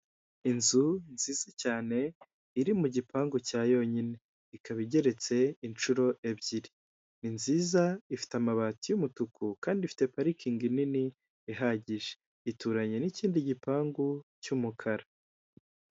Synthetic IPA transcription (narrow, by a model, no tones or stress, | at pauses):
inzunziːz̥acaːne̞ | iɾimuɟipʰaːŋɡucaːjo̞ɲine̞ | ikaβiɟe̞ɾe̞t͡se̞int͡ʃuɾo̞ʔebɟiɾi | ninziːzaifi̥tamaβaːtijumutukʰukaːndifi̥te̞paɾikiŋɡinini | eɦaɟiʒe | ituːɾaɲe̞niciːndiɟipaːŋɡucumukʰaɾa